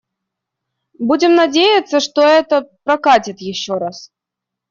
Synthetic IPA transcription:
budʲɪmnɐdʲejɪt̪sːəʂt̪oɛt̪əpɾɐkatʲɪt̪jɪɕːoɾas

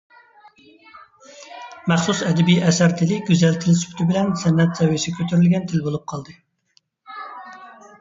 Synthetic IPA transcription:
mæχsusɛd̪ɛbijʔɛsæɾt̪ʰɪlɪɡʲyzɛlt̪ʰɪlsy̥pʰt̪ʰɪbɪlɛnsɛnːɛt̪zɛwijsɪkʲʰøt̪ʰyɾylɡʲɛnt̪ʰɪlbolˠup̚qʰɑlˠd̪ɨ

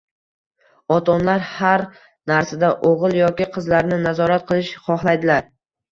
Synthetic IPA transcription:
ɒt̪ʰɒnlaɾhaɾ | naɾsad̪aʔoʁɨlˠjɒkʲɪqʰɨzlaɾnɪnazɒɾat̪̚qʰɨlˠɪʃχɒhlˠajd̪ɪlaɾ

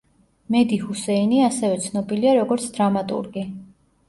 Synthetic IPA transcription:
mɛd̪ihusɛiniasɛvɛt̪sʰnɔbiliaɾɔɡɔɾt̪sʰd̪ɾamat̪ʼṵɾɡi

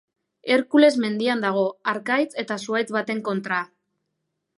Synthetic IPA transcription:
e̞ɾkule̞zme̞nd̪iand̪aɣ̞o̞aɾkajt͡se̞t̪asuajt͡sβat̪e̞ŋko̞nt̪ɾa

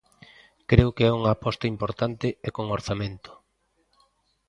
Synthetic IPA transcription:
kɾeʊkeɛuŋaːpɔst̪ɐimpoɾt̪ant̪ɪekoŋoɾθamẽnt̪ʊ̥

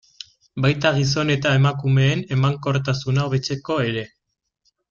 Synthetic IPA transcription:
bajt̪aɣ̞is̬o̞ne̞t̪ae̞makume̞ːne̞maŋko̞ɾt̪asunaoβe̞t͡se̞ko̞e̞ɾe̞

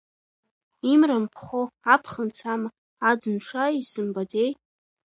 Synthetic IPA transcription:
imrampʰχʷoapʰχənt͡sʰama | ad͡zɨnʈ͡ʂʷʰaisɨmbad͡zej

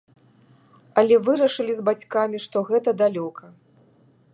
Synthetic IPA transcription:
ɐlʲɛvɨɾɐʂɨlʲizbat͡sʲkamʲiʂt̪ɔɣɛt̪ɐd̪alʲɔkʰɐ

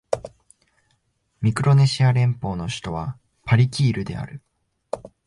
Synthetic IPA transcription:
mʲikɯ̟ɾo̞ne̞ɕiaɾẽ̞mpo̞ːno̞ɕi̥t̪o̞β̞a | paɾʲikʲiːɾɯ̟d̪e̞a̰ɾɯ̟

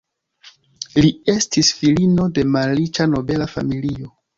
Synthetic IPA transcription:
lie̞stisfilino̞de̞malːit͡ʃano̞be̞lafa̰milio̞

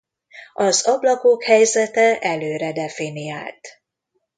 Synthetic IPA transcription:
ɒzɒblɒkoːkhɛjzɛt̪ɛʔɛløːɾɛd̪ɛfinia̰ːlt̪

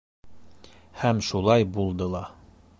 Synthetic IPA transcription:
hæmʃulˠɑjbulˠd̪ɤlˠɑ

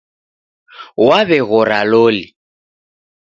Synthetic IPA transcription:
waβɛɣʊɾaloːlɪ

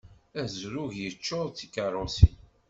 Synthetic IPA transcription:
æzɾʊʝjət͡ʃːoðˤt͡sikːəɾˤʊsin

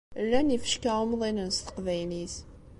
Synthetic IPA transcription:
lːænifə̥ʃkæumðˤinənst̪ə̥qvæjnis

